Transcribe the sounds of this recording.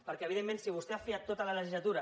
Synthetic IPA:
pəɾkɛəβiðemːensiβ̞ust̪eafiat̪ːot̪ələləʒizlat̪uɾa

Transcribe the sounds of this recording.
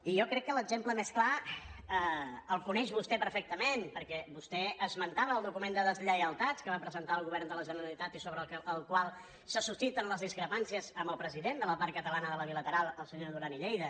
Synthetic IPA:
ijɔkɾɛkːələɡzempləmesklaəəlˠkunɛʒβust̪ɛpəɾfɛk̚t̪əmenpəɾkɛβust̪ɛəzmənt̪aβəːlˠd̪ukumend̪əðəzʎəjəlˠt̪at͡skəβapɾəzənt̪aəlˠɣuβɛrnd̪ələʒənəɾəlit̪at̪isoβɾəəlˠkwalˠ | səsust̪it̪ənləzðiskɾəpansiəzəmbəlˠpɾəziðend̪ələpaɾkət̪əlanəðələβilət̪əɾalˠəlˠsəɲoðuɾaniʎɛjðə

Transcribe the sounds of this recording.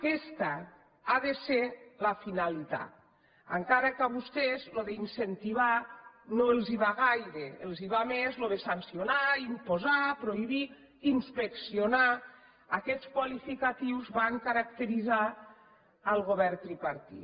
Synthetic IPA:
kɛst̪ə | aðeselafinalit̪a̰t̪ | əŋkaɾəkəβust̪ezloðeinsent̪iβanoelˠziβaɣajɾeelˠziβamezloðesansionaimpozapɾoiβiː | nspeksionaː | kɛt͡sskwalifikat̪iwzβaŋkaɾak̚t̪əɾiza | əlˠɣoβɛɾt̪ɾipaɾt̪ḭ

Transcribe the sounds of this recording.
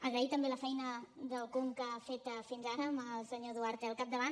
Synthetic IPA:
əɣəit̪əmbeləfɛjnəðəlˠkumkafet̪əfinzaɾəməlˠsəɲoðuaɾt̪eəlˠkap̚d̪əβan

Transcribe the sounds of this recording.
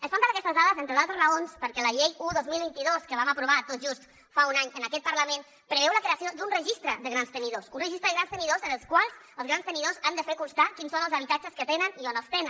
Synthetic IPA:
əsfampəɾakɛst̪əzðaðəzent̪ɾəðalˠt̪əzrəonspəɾkɛləʎejuðozmilˠβint̪iðoskəβ̞aməpɾuβat̪ot̪ʒust̪ | faunaɲənəkɛt̪̚pəɾləmẽn | pɾəβɛwləkɾeasiod̪unrəʒist̪ɾəðəɣɾanst̪əniðosunrəʒist̪ɾəðəɣɾanst̪əniðozənəlˠskwalˠzəlˠzɣɾanst̪əniðozand̪əfeɾkunst̪akinsonəlˠzəβ̞it̪at͡ʃəskət̪enənionəst̪enən

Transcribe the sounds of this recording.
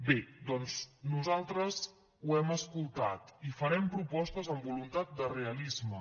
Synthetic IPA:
bed̪ɔnznuzalˠt̪ɾəz | uɛməskulˠt̪a̰t̪ifəɾɛmpɾupɔst̪əzəmbulunt̪at̪̚d̪əreəlizmə

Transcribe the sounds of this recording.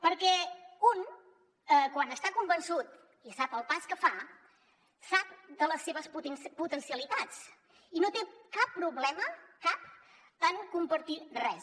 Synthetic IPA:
pəɾkɛun | əkwanəst̪akumbənsut̪ | isapəlˠpaskəfa | sap̚d̪ələsːeβəspuput̪ənsiəlit̪at͡s | inot̪ekapːɾuβlɛməkap̚ | əŋkumpəɾt̪irɛ

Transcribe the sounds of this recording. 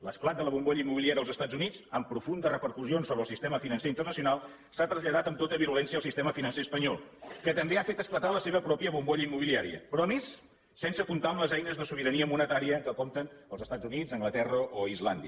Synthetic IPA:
ləsklat̪̚d̪ələβumɡoʎəimːuβiliaɾiəlˠzəst̪ad͡zunit͡səmpɾufund̪ərəpəɾkusionsoβɾəlˠsist̪eməfinənseint̪ərnəsiunalˠ | sat̪ɾəzʎəðat̪əmt̪ot̪əβiɾulɛnsiəːlˠsist̪eməfinənseəspəɲɔlˠkət̪əmbeafet̪əsklət̪aləseβəpɾɔpiəβumɡoʎəimːuβiliaɾiə̰pɾɔəmesː | ɛnsəkunt̪amləzɛjnəzðəsuβiɾəniəmunət̪aɾiəkəkɔmt̪ənəlˠzəst̪ad͡zunid͡zəŋɡlət̪ɛrəʔoizland̪iə

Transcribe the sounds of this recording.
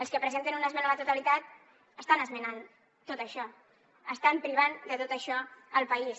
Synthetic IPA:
əlˠskəpɾəzent̪ənunəzmɛnalat̪ut̪alit̪at̪ | əst̪anəzmənan | t̪ot̪əʃɔ | əst̪ampɾiβand̪ət̪ot̪əʃɔəlˠpəis

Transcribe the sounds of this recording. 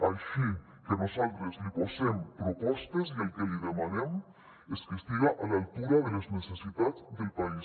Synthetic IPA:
alʃi | kenosalt̪ɾezliposempɾopɔst̪ezielkeliðemanem | eskest̪iɣaʔalalt̪uɾaðelaznesesit̪at͡sd̪elpai

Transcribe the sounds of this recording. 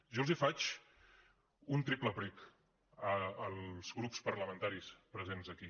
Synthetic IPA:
ʒɔlˠzifat͡ʃ | unt̪ɾipləpɾik | əːlˠz̥ɣɾupspəɾləmə̃nt̪aɾispɾəzenzəki

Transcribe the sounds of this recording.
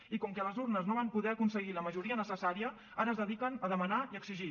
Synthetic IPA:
ikɔŋkɛləzurnəznoβampuðɛəkunsəɣiləməʒuɾiənəsəsaɾiə | aɾəːzðəðikənəðəmənaiəkziʒi

